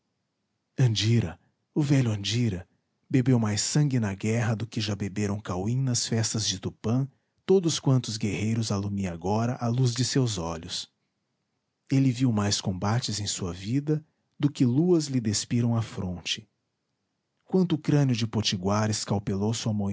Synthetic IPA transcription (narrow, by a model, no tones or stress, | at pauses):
ɐ̃d͡ʒiɾɐ | ʊvɛʎʊɐ̃nd͡ʒiɾɐ | bebewmajsɐ̃ŋɡɪnɐɡɛɦɐd̪ʊkɪʒabebeɾɐ̃w̃kawĩnɐsfɛst̪ɐzd͡ʒɪt̪upɐ̃ | t̪od̪ʊskwɐ̃nt̪ʊzɡehejɾʊzalumiaɡɔɾɐʔaluzd͡ʒɪsewzɔʎʊs | elɪviwmajskõbat͡ʃɪzẽj̃suɐvid̪ɐ | d̪ʊkɪluɐzlɪd̪espiɾɐ̃w̃ɐfɾõt͡ʃɪ̥ | kwɐ̃nt̪ʊːkɾɐ̃nʲʊd͡ʒɪpot͡ʃiɡwaɾɪskawpelowsuɐmo